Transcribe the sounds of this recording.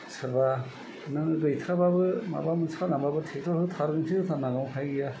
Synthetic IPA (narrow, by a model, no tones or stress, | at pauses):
sʰɯɾba | nɯŋɯɡɯjtʰɾababɯma̰bamɯnsʰkʰanambabɯtʰetʰɔɾhɯt̪ʰaɾɡɯŋsʰizɯtʰanaɡawpʰajɡija